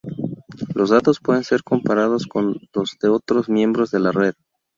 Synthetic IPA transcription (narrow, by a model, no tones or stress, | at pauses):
lo̞zðat̪o̞spweðe̞nse̞ɾko̞mpaɾað̞o̞sko̞nlo̞zðe̞o̞t̪ɾo̞zmjẽ̞mbɾo̞zðe̞lare̞ð